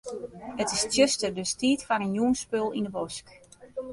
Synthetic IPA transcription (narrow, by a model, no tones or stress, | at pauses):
ətɪstjøstədəstiːtfanənjuənspølˠindəbosk